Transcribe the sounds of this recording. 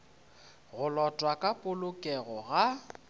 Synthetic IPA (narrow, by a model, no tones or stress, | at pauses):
ɣʊlɔtʼwakʼapʼʊlʊkʼɛɣɔɣa